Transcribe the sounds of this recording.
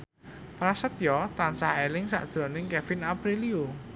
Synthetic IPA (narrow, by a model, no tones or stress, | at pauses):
pɾasət̪̚jɔt̪ansahelɪŋsa̰ʔd̥ʒ̥ɾɔnɪŋkɛfɪnapɾiliu